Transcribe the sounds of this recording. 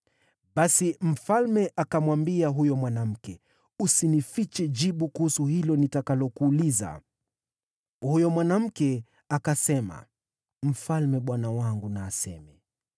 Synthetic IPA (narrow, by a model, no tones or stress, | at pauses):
ɓasim̩falmɛʔakamwambiaɦujɔmwanam̩kɛ | usinifit͡ʃɛd͡ʒiɓukuhusuhilɔnitakalɔkuːliza̰ | hujɔmwanam̩kɛ | akasɛma̰ | m̩falmɛɓwanawaŋɡunaːsɛ̰mɛ